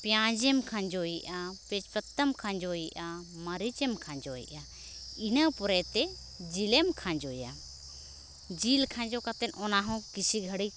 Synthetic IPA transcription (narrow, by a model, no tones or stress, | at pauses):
pjãd͡ʒɛmkʰãɲd͡ʒɔjiʔapɛt͡ʃpət̪ːəmkʰãɲd͡ʒɔjiʔaməɾit͡ʃɛmkʰãɲd͡ʒɔḭʔa | inəwpɔɾɛt̪ɛ | d͡ʒilemkʰãɲd͡ʒɔja̰ | d͡ʒilkʰãɲd͡ʒɔkat̪ɛnɔnaɦɔ̃kisiɡʱəɽi